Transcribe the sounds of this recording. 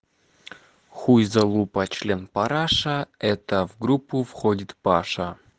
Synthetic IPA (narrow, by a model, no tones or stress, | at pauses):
xujzɐlˠupɐt͡ɕlʲe̞npɐɾaʂɐɛt̪əvɡɾupːufxodʲɪt̪paʂɐ